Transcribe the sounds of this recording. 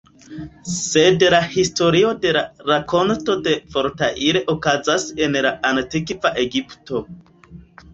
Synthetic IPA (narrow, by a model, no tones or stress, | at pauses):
se̞dlahisto̞ɾio̞de̞laɾako̞nto̞de̞vo̞ɾtaʔiɾeʔokazase̞nlaʔantikvaʔe̞ɡipto̞